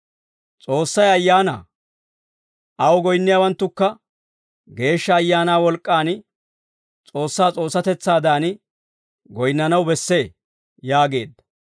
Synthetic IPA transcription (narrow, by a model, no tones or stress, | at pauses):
t͡sʼo̞ːsːɐjɐjːaːna̰ː | ʔɐwɡɔjnːɪjaːwɐnt̪ːʊkːɐ | ɡe̞ːʃːɐːjːaːnaːwɔlkʼːaːn | t͡sʼo̞ːsːaːt͡sʼo̞ːsːɐt̪ɛt͡sːaːd̪aːn | ɡɔjnːɐnɐwbɛsːe̞ː | jaːɡe̞̰ːd̪ːɐ̥